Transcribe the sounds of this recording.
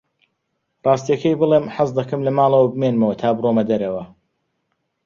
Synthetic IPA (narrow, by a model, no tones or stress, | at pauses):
rˤɑːst̪ijɐkɐjbɨlˠemħazd̪ɐkɨmlɐmaːlˠɐwɐbɨmeːnmɐwɐt̪ʰaːbɨromɐd̪ɐɾɐwɐ